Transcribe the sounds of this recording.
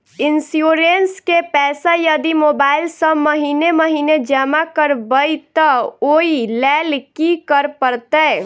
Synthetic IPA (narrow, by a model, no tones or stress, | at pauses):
insjuɾenskepɛsajəd̪imobailsə̃məɦineməɦined͡ʒəmakəɾbəjt̪əoilɛlkikəɾpəɾt̪ɛ